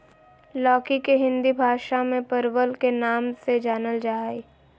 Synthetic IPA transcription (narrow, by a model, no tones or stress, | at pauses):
lɔːkikeɦɪ̃nd̪ibʱaːʃamẽpəɾwəlkenaːmsed͡ʒaːnəld͡ʒaːi